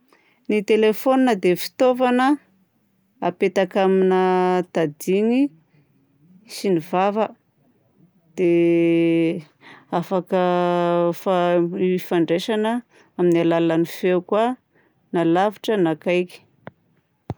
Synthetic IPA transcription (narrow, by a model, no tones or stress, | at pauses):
nit̪elefoninəd̪efi̥t̪ovanə | apet̪akaminət̪ad̪iŋi | sinivavə | d̪̥e | afakə | faifaɳɖ͡ʐeʃanə | aminialalanifewkwa | nalaviʈ͡ʂənakajki̥